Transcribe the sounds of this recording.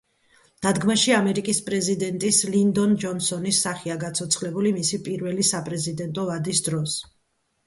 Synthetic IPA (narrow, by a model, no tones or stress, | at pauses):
d̪̥ad̪ɡmaʃiamɛɾikʼispʼɾɛzid̪ɛnt̪ʼislind̪ɔnd͡ʒɔnsɔnisaχiaɡat̪sʰɔt̪sʰχlɛbulimisipʼiɾvɛlisapʼɾɛzid̪ɛnt̪ʼɔvad̪isd̪ɾɔs